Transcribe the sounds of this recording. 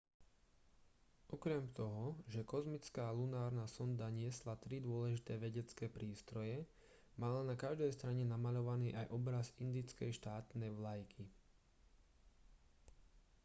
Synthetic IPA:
ʔɔkɾɛmt̪ɔɦɔʒɛkɔzmit͡skaːlunaːɾnasɔnd̪aɲɪɛslat̪ɾid̪ʊɔlɛʒit̪ɛːʋɛɟɛt͡skɛːpɾiːst̪ɾɔjɛ | malanakaʒd̪ɛjst̪ɾaɲɛnamaʎɔʋaniːʔajʔɔbɾazind̪it͡skɛjʃt̪aːt̪nɛjʋlajkʰi

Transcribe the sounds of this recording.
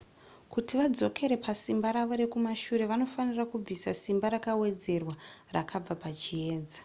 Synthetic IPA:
kutiʋad͡zo̞kʰe̞ɾe̞pasimbaɾaʋo̞ɾe̞kumaʃuɾe̞ʋano̞fanirakub͡visasimbaɾakawe̞d͡ze̞rwara̰kʰab͡vapat͡ʃieːd͡zḁ

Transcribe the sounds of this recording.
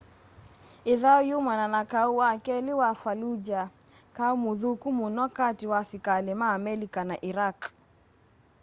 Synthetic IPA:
ɪðaɔjumananakauwakɛlɪwafalud͡ʒa | kaumuðukumunwakatiwasikalemaːmɛlikanaʔiɾak

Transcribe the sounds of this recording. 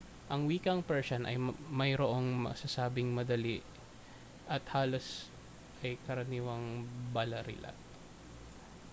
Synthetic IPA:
ʔɐŋwiːkɐŋpɛɹsɐnʔɐ̰jmɐjɾoʔoŋmɐ̰sɐsaːbɪŋmɐd̪ɐliʔ | ʔɐt̪haːlos | ʔɐjkɐɾɐniːwɐŋbɐlɐɾɪ̰lʔɐ̰t̪̚

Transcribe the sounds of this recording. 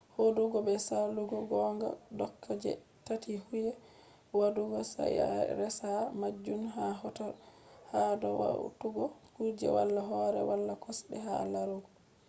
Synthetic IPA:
hoduɡɔbɛsaluɡɔɡɔŋɡa̰dɔkʰːad͡ʒɛ̰ | tatʰihujɛ | waduɡɔsa̰ja̰ɾɛsamad͡ʒːunɦaɦɔtahadɔwa̰wtuɡɔkud͡ʒɛ̰walːaɦɔɾɛ̰walːakɔsbɛ̰ɦa̰laɾuɡɔ

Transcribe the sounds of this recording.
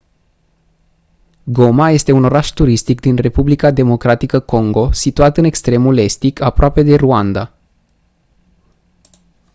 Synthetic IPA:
ɡo̞maje̞st̪e̞uno̞ɾaʃt̪uɾist̪ik̚d̪inre̞publikad̪e̞mo̞kɾat̪ikəko̞ŋɡo̞sit̪uat̪ɨne̞kst̪ɾe̞mule̞st̪ikʰapɾoape̞d̪e̞ruand̪a

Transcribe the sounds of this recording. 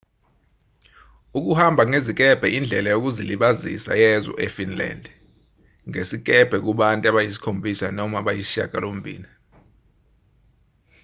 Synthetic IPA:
uk̬uhambʱaŋezik̬ʼɛb̥ʱɛʔind͡ɮʱɛlajok̬uziliɓazḭsa̰jɛzɔ̰ʔɛfinla̰ndʱ | ŋesik̬ʼɛb̥ʱɛk̬uɓantʼuaɓajisi̥kʰombʱisanɔmaɓajisiʃa̰ɡ̥ʱalom̩bʱḭːni

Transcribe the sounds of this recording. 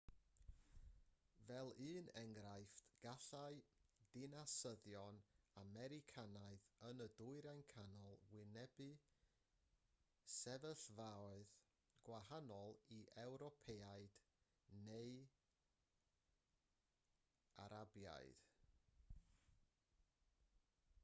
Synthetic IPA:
vɛlˠɨːnɛŋɾajftɡ̥aɬaɨjd̥ɪnasəðjɔnamɛɾɪkʰanaɨðənədʊɨɾajnkʰanɔlˠwɪnɛbɨ | sɛvəɬvaɔɨð | ɡ̥wahanɔlˠiʔɛwɾɔpʰeaɨd̥ | nej | a̰ɾabja̰jd̥

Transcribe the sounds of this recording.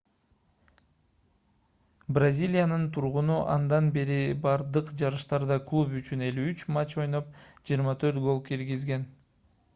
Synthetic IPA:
brazʲilʲijanɯnt̪ʰuɾʁunuʔɑ̰nd̪ɑnbe̞ɾibɑɾd̪ɯqd͡ʒɑɾɯʃt̪ɑɾd̪ɑklˠupyt͡ʃyne̞lyyt͡ʃmat͡ʃo̞jno̞p̚d͡ʒijːɾmɑt̪ʰø̞ɾt̪ɡo̞lˠkiɾɡizɡe̞n

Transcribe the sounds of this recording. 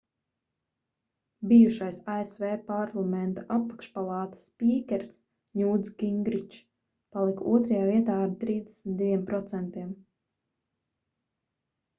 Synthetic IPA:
bijuʃajsaesvɛːpaɾlˠamɛnt̪aʔapːḁkʃpalˠɑːt̪i̥sːpʲiːkʲɛɾs | ɲʲuːd̪zɡiŋɡɾit͡ʃ | palˠikuɔt̪ɾajaːviɛt̪aːaɾt̪ɾiːzd̪ɛ̥smit̪d̪ivʲiɛmpɾɔt̪sɛnt̪iɛm

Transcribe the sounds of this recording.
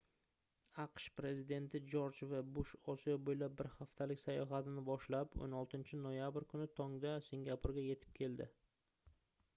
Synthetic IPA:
aqʃpɾe̞zɪd̪e̞nt̪ʰɪd͡ʒoɾt͡ʃvabʊʃɒsijɒbojlap̚ːɪɾhaft̪ʰalɪkʲsajɒɦat̪ʰɪnɪbɒʃlapo̰nɒlˠt̪ʰɪnt͡ʃʰɪnojabɾkʰʊnɪt̪ʰɒŋd̪asiŋɡʲapʰʊɾɡʲaje̞t̪ʰɪ̥p̚kʲʰe̞ld̪ɪ̰

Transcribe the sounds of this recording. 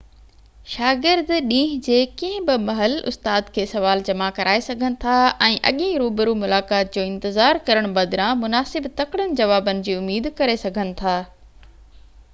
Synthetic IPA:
ʃaːɡɪɾd̪ɗĩːɦd͡ʑeːkĩɦɪ̃bɪmɐɦəlʊ̰st̪aːd̪kʰeːsɐʋaːld͡ʑɐmakɐɾʔaːesɐɡʱənɪ̆t̪ʰaɛ̃ːʔɐ̰ɠẽɾuːbəɾumʊlaːkaːt̪̚d͡ʑoːɪ̃nt̪ɪzaːɾkɐɾəɽ̃bɐd̪ɪɾãmʊnaːsɪbt̪ɐkɽənɪ̆d͡ʑɐʋaːbənɪ̆d͡ʑiːʊmiːd̪kɐɾesɐɡʱənɪ̆t̪ʰaː

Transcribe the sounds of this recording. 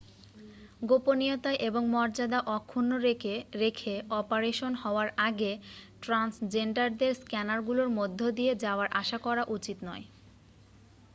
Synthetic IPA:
ɡoponijot̪aeʔeboŋmɔɾd͡ʑad̪aʔɔkʰːunːoɾɾekʰeɔpaɾeʃonhɔoaɾʔaɡeʈɾansd͡ʑeɳɖaɾd̪eɾskɛnaɾɡuloɾmod̪ʱːod̪ijed͡ʑaoaɾʔaʃakɔɾaʔut͡ɕit̪nɔ̰e

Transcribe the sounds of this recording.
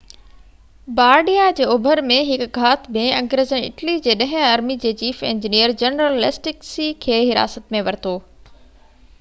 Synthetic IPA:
baːɾɖijad͡ʑeːʊbʱəɾmẽɦɪkɡʱaːt̪mẽɐ̃ŋɡɾəzəɳɪ̰ʈlid͡ʑeːɗɐ̃ɦɪ̃aːɾmid͡ʑeːt͡ɕiːfḛ̃ːɲd͡ʑinijəɾd͡ʑɐnɾəlːɪsʈɪksikʰeːɦɪɾa̰ːsət̪mẽʋɐɾɪt̪ʰoː

